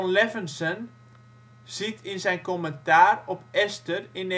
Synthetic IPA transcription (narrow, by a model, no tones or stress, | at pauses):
ɔnlɛvənsən | z̥itinsɛjnkoməntaːrɔpɛstərin